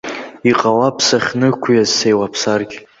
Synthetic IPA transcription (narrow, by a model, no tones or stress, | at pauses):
iqʼawapʰsaχʲnɨkʷʰujazsejwapʰsarɡʲ